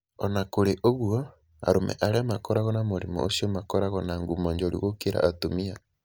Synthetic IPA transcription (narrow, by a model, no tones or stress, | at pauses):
ɔnakoɾeʔoɣwɔ | a̰ɾomɛ̰ʔaɾeamakɔɾaɣɔnamoɾimɔ̰o̰siomakɔɾaɣɔnaːŋɡumɔɲd͡ʒoɾḭɣokeɾa̰ʔːtomia